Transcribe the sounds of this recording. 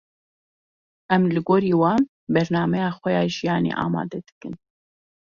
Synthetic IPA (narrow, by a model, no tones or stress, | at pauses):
ʔɛmlɨɡoːɾiːwɑːn | bɛɾnɑːmɛjɑːxʷɛjɑːʒijɑːnḛːʔɑ̰ːmɑ̰ːd̪ɛd̪ɨ̥kɨn